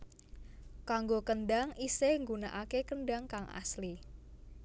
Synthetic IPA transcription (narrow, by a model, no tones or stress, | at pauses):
kaŋɡokənɖ̪aŋiseŋɡunaʔakekənɖaŋkaŋʔa̰sli